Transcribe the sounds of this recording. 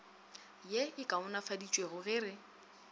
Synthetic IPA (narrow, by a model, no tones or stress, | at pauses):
jeɪkʼaʊnafadit͡ʃʼweɣʊɣɪːrɪ